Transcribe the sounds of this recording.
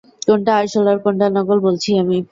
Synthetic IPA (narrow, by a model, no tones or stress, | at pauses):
koɳʈaaɾʃɔlaɾkoɳʈanɔɡolbolt͡ɕʰiami